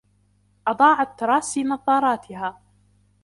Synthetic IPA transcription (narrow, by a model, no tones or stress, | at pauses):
ʔɑd̪ˤɑːʕat̪ːɑɾˤɑːsiːnɑðˤɑːɾˤɑːt̪ʰɪɦaː